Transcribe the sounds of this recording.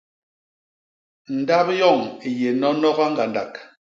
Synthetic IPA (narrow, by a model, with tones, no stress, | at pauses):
n̩˨da˦pjɔ˦˨ŋi˨je˨nɔ˦nɔ˦ɣa˦ŋ̩˦ɡa˨nda˨k